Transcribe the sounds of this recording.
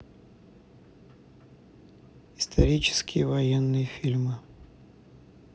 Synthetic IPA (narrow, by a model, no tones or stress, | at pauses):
ɪst̪ʰɐɾʲit͡ɕɪ̥skʲɪjəvɐjɛnːɨjəfʲilʲmɨ